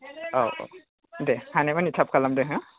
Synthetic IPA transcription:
aw̰ | dehanemanitʰap̚kʰalamdeɦɯ̃

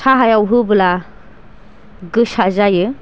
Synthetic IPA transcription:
sʰaɦajawɦɯbɯla | ɡɯsazajɯ

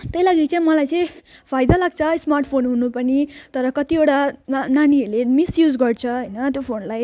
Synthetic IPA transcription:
t̪ʌjlaɡikt͡sʌĩmʌlajt͡sʌĩj̃pʰajd̪alaɡt͡sʰʌsmarʈpʰonɦunupʌnit̪ʌɾʌkʌt̪ioʈananiʌɾlemisjud͡zɡʌrt͡sʰʌɦʌjnʌt̪jopʰonlaj

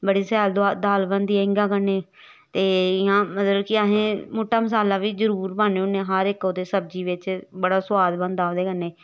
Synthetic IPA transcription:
bəɽiːsɛːld̪ad̪aːlbənd̪iɪŋɡãːkənːeː | t̪eːɪãːmət̪ləbkɪəɦẽːmuːʈːaːməs̬aːlaːʋiːzəɾuːɾbaːneʊneːɦəɾɪkoːd̪eːsəb̚d͡ʒiːʋɪt͡ʃbəɽaːsʊwaːd̪bənd̪aːd̪eːkənːeː

